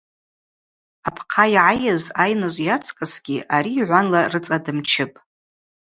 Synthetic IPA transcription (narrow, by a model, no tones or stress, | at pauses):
apʰqʰajʕajazajnaʒʷjat͡sʰkʼɨsɡʲiʔaɾiːʕʷanlarɨt͡sʼadɨmt͡ʃʰɪpʼ